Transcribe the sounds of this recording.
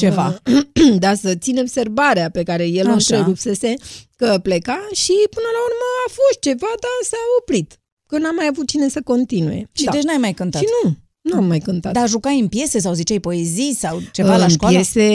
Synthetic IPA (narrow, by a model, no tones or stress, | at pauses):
t͡ʃe̞va | d̪asət̪sineobse̞rbaɾeape̞kaɾe̞jelɨnt̪ɾeɾupse̞se̞kəplekaʃipɨnəlaurməafo̞st̪̚t͡ʃe̞vad̪asaopɾit̪ | kənamːajavut̪̚t͡ʃine̞səko̞nt̪inuje̞̰ʃid̪et͡ʃ̬najmajkɨnt̪aʃinu | nuamːajkɨnt̪at̪d̪aʒukajɨnpje̞se̞s̬awzit͡ʃajpo̞e̞zijsawt͡ʃe̞valanʃkajese̞